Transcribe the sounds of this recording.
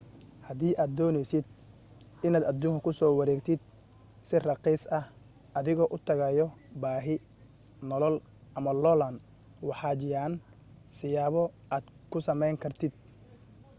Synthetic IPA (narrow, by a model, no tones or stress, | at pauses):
hɐðiːʔaːd̪̚ːɔːnɛjsɪd̪̚ | ɪnaːd̪ɐd̪uːŋkʰɐkʰʊsɔːwɑɾɛːɡt̪ʰɪd̪̥̚ | sɪrɑqiːsɐh | ʔɐðɪɣɔːʔʊt̪ʰɐɣɐjɔbaːɦɪ | nɔlɔl | ʔɐmɐlɔlɐn | wɑħɑːd͡ʒɪjaːn | sɪjaːβɔʔaːd̪ | kʰʊsɐmɛjŋkʰɐrt̪ʰɪd̪̥̚